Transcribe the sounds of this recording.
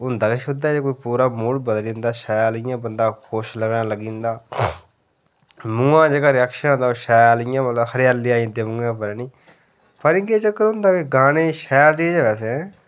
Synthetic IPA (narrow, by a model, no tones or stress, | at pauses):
ɦʊ̃nd̪aːkɪʃʊd̪aːd͡ʒekoːiːpuːɾaːmʊːɽbəd̪lĩːnd̪aːʃɛːjlɪjãːbənd̪aːkʰʊʃləɡnãːləɡĩːnd̪aː | mũːãːd͡ʒeːkaːɾɪjɛːkʃənɦõnd̪aːʃɛːlɪjãːmət̪ləbhəɾjaːlːiːaːĩːd̪eːʊ̃ŋɡãːpəɾɛːnĩː | pəɾɪŋɡeːt͡ʃəkːəɾɦʊ̃nd̪aːkiɡaːneːʃɛːlt͡ʃiːd͡ʒʋɛːsɛ̃ː